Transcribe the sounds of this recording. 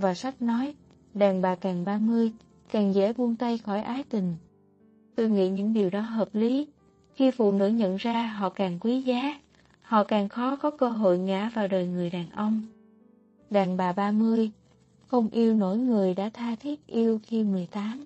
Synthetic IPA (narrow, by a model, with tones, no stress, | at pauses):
vaː˨˩sa˦˥jk̚nɔ˨˦j | ɗaː˨˩ŋɓaː˨˩kaː˨˩ŋɓaː˧mɨ˧əj | kaː˨˩ŋzɛ̰˧˥mu˧nt̪a˧jxɔ˧˩jʔaː˨˦jt̪ï˨˩ŋ̟ | t̪o˧jŋḭ˧˨ɲɨ̰˧˥ŋɗi˨˩əwɗɔ˨˦ɦəː˨˩p̚li˨˦ | xi˧fṵ˧˨nɨ̰˧˥ɲə̰˧˨nzaː˧ɦɔ̰˧˨kaː˨˩ŋkwi˨˦zaː˨˦ | hɔ̰˧˨kaː˨˩ŋxɔ˨˦kɔ˨˦kəː˧ɦo̰˧˨jŋa̰ː˧˥vaː˨˩wɗəː˨˩jŋɨ˨˩əjɗaː˨˩nʔə˧wŋ͡m | ɗaː˨˩ŋɓaː˨˩ɓaː˧mɨ˧əj | xə˧wŋ͡mʔi˧əwno̰˧˥jŋɨ˨˩əjɗa̰ː˧˥t̪ʰaː˧t̪ʰi˦˥ət̚ʔi˧əwxi˧mɨ˨˩əjt̪aː˨˦m